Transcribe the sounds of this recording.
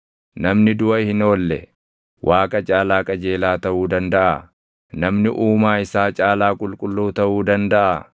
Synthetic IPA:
nɐmnɪd̪ʊɐhɪno̞ːlːɛ̰ | wʔaːkʼɐt͡ʃʼaːlaːkʼɐd͡ʒe̞ːlaːt̪ɐʔuːd̪ɐnd̪ɐʔɐ | nɐmnɪʔuːmaːɪsaːt͡ʃʼaːlaːkʼʊlkʼʊlːuːt̪ɐʔuːd̪ɐnd̪ɐʔɐ

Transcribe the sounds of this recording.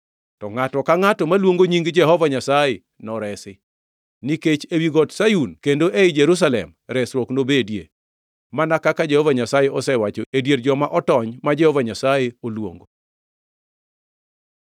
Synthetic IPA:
tɔŋatɔkaŋatɔmalwoŋɡoɲiŋɡd͡ʒɛɦɔvaɲasaje | nɔɾɛsɪ | niket͡ʃewiɡɔtsajunkendoʔeɪd͡ʒeɾus̬alɛ̰mɾɛsɾɔknobedjḛ | manakakad͡ʒɛhɔvaɲasajeʔɔsɛwat͡ʃoedjeɾd͡ʒɔmaʔɔtɔɲmad͡ʒɛhɔvaɲasajeolwo̰ŋɡo

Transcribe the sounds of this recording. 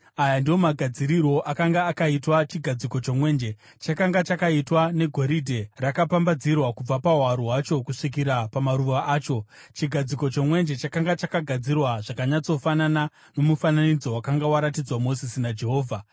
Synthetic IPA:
ajandijo̞maɡʱad͡ziɾiro̞ʔakaŋɡaːkaitwat͡ʃiɡʱad͡ziko̞t͡ʃomwe̞ːnd͡ʒe̞ | t͡ʃakaŋɡat͡ʃakaitwane̞ɡʱo̞ɾidʱe̞rakapambad͡zirwakub͡vapaɦwaɾuɦat͡ʃo̞kuʂik̬iɾapamaɾuʋaʔaːt͡ʃo̞t͡ʃiɡʱad͡ziko̞t͡ʃo̞mwe̞nd͡ʒe̞t͡ʃakaŋɡat͡ʃakaɡʱad͡zirwaʐakaɲat͡so̞fanana | no̞mufananid͡zo̞wakaŋɡawaɾatid͡zwamo̞zisinad͡ʒe̞ɦo̞ːvʱa

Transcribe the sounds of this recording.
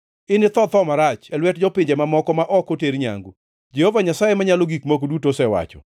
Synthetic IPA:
ɪnɪt̪ɔt̪ɔmaɾat͡ʃɛlwɛtd͡ʒɔpɪɲd͡ʒɛmamɔkɔmaʔɔkoteɾɲa̰ŋɡu | d͡ʒehovaɲasajemaɲaloɡikmok̬odutosɛwa̰t͡ʃɔ̰

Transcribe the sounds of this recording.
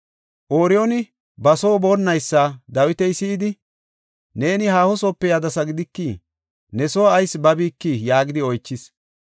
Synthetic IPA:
ʔoːɾɪjɔnɪ | bɐso̞ːbonːɐjsːaːd̪ɐwɪt̪ɛjsiːd̪ɪ | ne̞ːnɪhaːhɔsɔːpːɛjad̪ɐsɐɡɪd̪ɪkːi | nɛsoːɐjsbɐbiːkːijaːɡɪd̪ɪɔjt͡ʃːɪs

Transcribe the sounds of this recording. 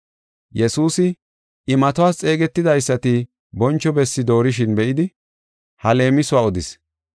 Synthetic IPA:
jɛsuːsɪ | ʔɪmɐt̪ʊwaːst͡sʼe̞ːɡɛt̪ːɪd̪ɐjsːɐt̪ɪ | bɔnt͡ʃːɔbɛsːɪd̪o̞ːɾɪʃ̬ɪnbɛʔɪd̪ɪ | hɐle̞ːmɪsʊwaːɔd̪ɪs

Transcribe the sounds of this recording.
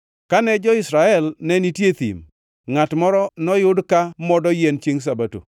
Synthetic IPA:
kanɛd͡ʒɔɪsɾaɛlnɛnitjet̪ḭm | ŋatmɔɾɔnɔjʊdkamɔdɔjɛnt͡ʃeŋs̬abato̰

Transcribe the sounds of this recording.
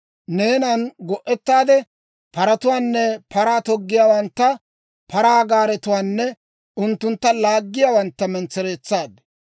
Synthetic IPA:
ne̞ːnɐnɡɔʔːɛt̪ːaːd̪ɛ | pɐɾɐt̪ʊwaːnːɛpʰɐɾaːt̪ɔɡːɪjaːwɐnt̪ːɐ | pʰɐɾaːɡaːɾɛt̪ʊwaːnːɛ | ʊnt̪ːʊnt̪ːɐlaːɡːɪjaːwɐnt̪ːɐmɛnt͡sːɛɾeːt͡sːaːd̪ɛ

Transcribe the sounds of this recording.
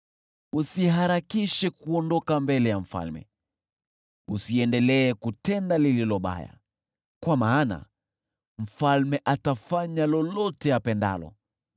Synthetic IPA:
usiɦaɾakiʃɛkuɔndɔkambɛlɛjam̩fa̰lmɛ̰ | usiɛndɛlɛːkutɛndalililɔɓa̰ja̰ | kwamaːna̰ | m̩falmɛʔatafaɲalɔlɔtɛjapɛnda̰lɔ̰

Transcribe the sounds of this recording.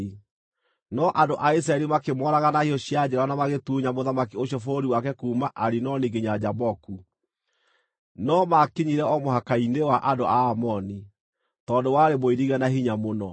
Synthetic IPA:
nɔʔandoʔais̬ɾaɛɾimakemɔɾaɣanahijɔɕiad͡ʑeɾanamaɣetuːɲamoðamakioɕjɔfoɾiwakɛkuːmaʔaɾinɔniɡeɲad͡ʑabɔku | nɔmakiɲiɾɛɔmohakainewaʔandoʔaːmɔni | tɔːndowaɾemoiɾiɣɛnahiɲamonɔ

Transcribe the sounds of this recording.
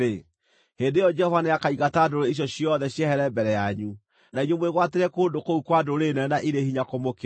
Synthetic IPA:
e | hendeɔd͡ʒɛhɔvaneakaiɣataːdoɾeiɕ̬jɔɕijɔðɛɕjɛhɛɾɛmbɛɾɛjaɲu | naiɲwomweɣwateɾɛkoːndokoukwadoɾenɛnaʔiɾehiɲakomok

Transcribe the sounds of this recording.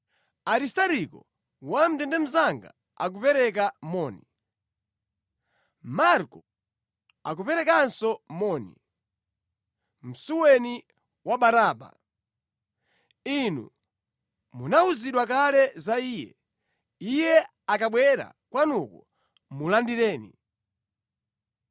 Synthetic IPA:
aɾistaɾikɔ | wam̩dɛndɛm̩zaŋɡa̰ | a̰k̬upɛɾɛk̬amɔni | maɾkɔ | ak̬upɛɾɛkansɔmɔnḭ | m̩suwɛni | waɓaɾaːɓa̰ | inṵ | munauziɗwakalɛzaiːjɛ̰ | ijɛ | akaɓwɛɾa̰ | kwanuku | mulandiɾɛːnḭ

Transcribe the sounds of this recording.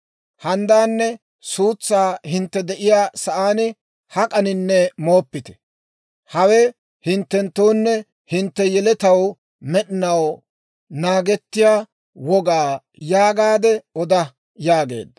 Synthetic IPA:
hɐnd̪aːnːɛ | suːt͡sːaːhɪnt̪ːɛd̪ɛʔɪjaːsɐʔaːnɪ | hɐkʼɐnɪnːɛmo̞ːpːɪt̪ɛ̥ | hɐwɛ | hɪnt̪ːɛnt̪ːoːnːɛ | hɪnt̪ːɛjɛlɛt̪ɐw | mɛɗɪnɐw | naːɡɛt̪ːɪjaː | wɔɡaː | jaːɡaːd̪ɛɔd̪ɐ | jaːɡe̞̰ːd̪

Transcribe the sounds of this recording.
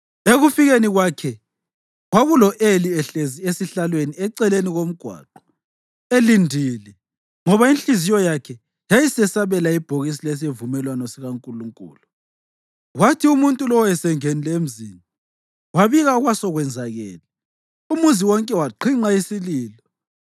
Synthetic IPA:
eɣufiɣeniɣwakʰɛ | ɣwaɣulɔʔeliɛɬeziesiɬalweniɛǀɛleniɣom̩ɡ̥ʱwa̰ːǃɔ̥ | elindʱilɛ | ŋɔβainɬʼizijɔjakʰɛ | jajisɛsaβɛlaib̥ʱoɣis̬iles̬evumɛlwanɔsiɣaŋkʼuluŋkʼṵːlu | ɣwatʰiumuntʼulɔwɔɛsɛŋenilem̩zina | waβiɣaɣwasɔɣwɛnd͡zʱaɣɛ̰ːlɛ | umuziwɔŋkʼɛwaǃʰiŋ͡ǃaisiliːlɔ

